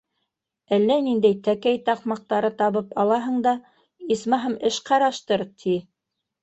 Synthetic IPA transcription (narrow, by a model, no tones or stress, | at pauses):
ælːænind̪æjt̪ækæjt̪ɑqmɑq̚t̪ɑɾɤt̪ɑβɤpɑlˠɑɦɤ̆ɴd̪ɑ | ismɑɦɤmɘʃqɑɾɑʃt̪ɤɾt̪ʰi